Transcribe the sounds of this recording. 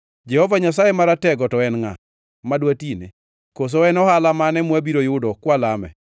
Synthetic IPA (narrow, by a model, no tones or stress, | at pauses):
d͡ʒɛhɔvaɲasajemaɾatɛɡɔtɔɛnŋa̰ | madwatinḛ | kos̬oɛnɔhalamanɛmwabiɾojʊdɔkwalamɛ̰